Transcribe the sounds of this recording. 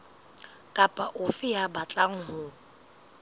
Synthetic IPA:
kʼapʼaʔʊfɪjabat͡ɬʼaŋ̩ɦʊ

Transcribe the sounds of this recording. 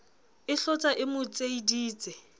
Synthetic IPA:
ɪɬɔt͡sʼaʔɪmʊt͡sʼeidiːt͡sʼɛ

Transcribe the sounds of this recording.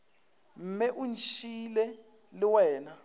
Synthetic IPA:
m̩mɛʔunt͡ʃʰʼilɛ | lɪwɛːna

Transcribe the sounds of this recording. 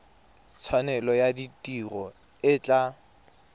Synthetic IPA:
t͡sʰwanɛlɔjaditʼirɔ | ɪt͡ɬʼa

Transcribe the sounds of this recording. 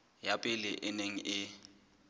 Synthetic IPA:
japʼɪlɪʔɪneŋ̩ʔɪ

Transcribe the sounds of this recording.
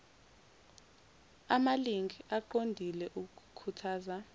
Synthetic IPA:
amaliŋʱiʔaǃondʱilɛʔuk̬ukʰu̥kʰutʰaːza

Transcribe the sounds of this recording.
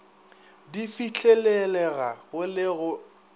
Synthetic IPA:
difit͡ɬʰʼɛlɛlɛɣaɣʊlɪɣʊ

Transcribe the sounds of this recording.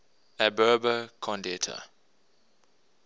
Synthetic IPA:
æbɜːbəkʰɔ̃ndɛtʰə̰

